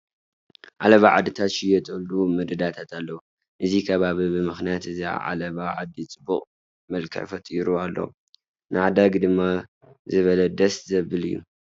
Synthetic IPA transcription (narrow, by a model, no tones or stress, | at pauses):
ʕalɐβaʕa̰d̪ːɨt̪ʰat̪ʃɪjɛt̪ʼɨlumɨd̪ɨd̪at̪ʰat̪ʰalːɐu | ʔɨzikʰɐβaβibɨmɨxnijat̪ɨzia̰ʕa̰lɐβaʕad̪ːit͡sʼɨbːuχʼ | mɐlkʰɐ̰ʕfɐt̪ʼiɾualːo̰w | nʔɨʕad̪aɡd̪ɨmːa | zɨβɐlɐd̪ɐszɐbɨlɨjːṵ